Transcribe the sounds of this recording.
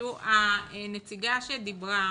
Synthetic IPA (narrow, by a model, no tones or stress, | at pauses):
uanet͡siɡaʃed̪ibʁa